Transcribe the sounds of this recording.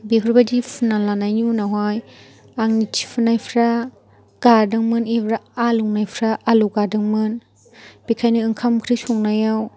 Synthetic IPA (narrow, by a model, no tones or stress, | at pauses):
bekʰɯɾbadipʰɯnalanajnunaɦaj | aŋnitʰi̥pʰɯnajpʰɾa | ɡ̥adɯŋmɯnebɾaaluŋnajpʰɾaʔːluɡadɯŋmɯn | bikʰajnɯɯŋkʰamkʰɾisɔŋnajaw